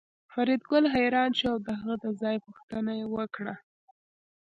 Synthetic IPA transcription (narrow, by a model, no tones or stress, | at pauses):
faɾid̪̚ɡʊlɦajɾɑnʃuawd̪əɦaɣəd̪əzɑjpuxt̪ənajewəkɽa